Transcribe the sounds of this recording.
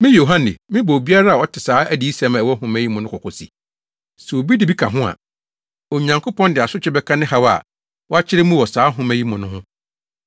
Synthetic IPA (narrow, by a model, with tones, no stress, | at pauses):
mɪ̃˦jo˨ɦã˦nɪ̰˨mɪ̃˦bɔ˨bi˦a˦ɾa˦a˨ɔ˦tʰɪ˨saː˨˦æ˦di˨˦i˦sa˨˦m˨ɛ˨wɔ˦ɦʊ̃˨mæ˦ji˦mʊ̃˨nʊ̃˦kʰʊ˨kɔ˨sḭ˨ | sɛ˨wo˨bi˦dɪ˨bi˦kʰã˨ɦʊ̃˦a̰˨ | o˨ɲã˨ŋkʰʊ˦pʰɔ̃˦ndɪ˨a˨sʊ˦t͡ɕʰᶣɪ˦bɛ˦kʰã˦nɪ̃˦ɦa˦wa̰˨ | wɔ˦a˦t͡ɕʰɪ˦ɾɪ˦mũ˦wɔ˨saː˨˦ɦʊ̃˨mæ˨ji˦mʊ̃˨nʊ̃˦ɦʊ̃˦